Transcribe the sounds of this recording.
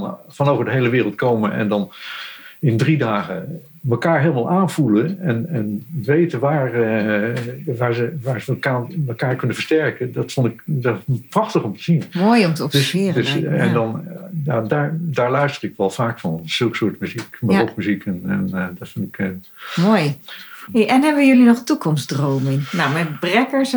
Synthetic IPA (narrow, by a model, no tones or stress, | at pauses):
nfɑnowvəɹdəɦejləʋɪːrəlˠt̚kowmənʔɛ̰ndɑn | ɪndridaːχə | məkaːɹɦeːlˠəmalˠʔaːnvulənɛnɛnʋejtənʋaːɹ | ʋaːɹzəʋaːɹzəkaməkaːɹkɵnəvəɹstɛɹkədɑtfɔndɪkdprɑχtəχɔmtə̥zinmoːjɔmtəɔd̥sɪːrd̥øɛndɑnjadaːɹdaːɹlœɥstərɪkʋɛlˠfaːkfɑnz̥ølˠkə̥sʊːɹtmyzikbɔtmyzikʰɛnɛndɔtfɪndɪkː | moːj | ʔɛnɦɛbəjɵlinɔχtukɔmsdrowmɪŋnawmɛtbrɛkəɹs